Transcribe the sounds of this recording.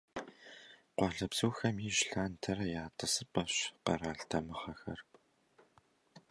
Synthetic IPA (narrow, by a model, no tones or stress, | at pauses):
qʷɑːɮɐbz̥uːxɐmiːʒɬaːntʰɐrɐjaːtʼɨsɨpʼɐɕqɐ̰raːɮtʰɐmɨχɐxɐr